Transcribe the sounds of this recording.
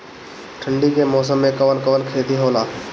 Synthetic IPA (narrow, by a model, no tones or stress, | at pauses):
ʈʰə̃ɳɖikemɔːs̬əmːẽkɐʋənkəʋənkʰeːt̪iɦoːlaː